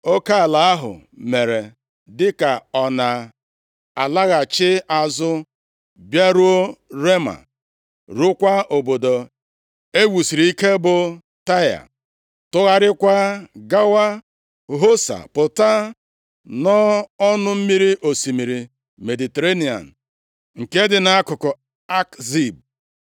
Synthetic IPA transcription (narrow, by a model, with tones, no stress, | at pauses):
o˦ka˦a˨la˨a˦ɦʊ̰˨me˨ɾe˨ | dɪ˦ka˨ɔ˨na˨ | a̰˨la˦ɣa˨t͡ʃɪ˦a˨zʊ˦ | bja˦ɾu˦o˦ɾe˦ma̰˨ | ɾu˦kʷa˦o˨bo˨do˨ | e˦wu˨si˨ɾi˨i˦ke˦bʊ˨ | ta˦ja̰˨ | tʊ˦ɣa˦ɾɪ˦kʷa˦ɡa˦wa˦ | ɦo˦sa̰˨pʊ˨ta˦ | nɔ˦ɔ˦nʊ˦m̩˦mi˦ɾi˦ʔo˨si˨mi˨ɾi˨ | me˨di˨te˨ɾe˦ni˨a̰˨n̩˨ | ŋ̩˨ke˦dɪ˨na˨a˦kʊ˨kʊ˨ | a˦kzi˦˨b̚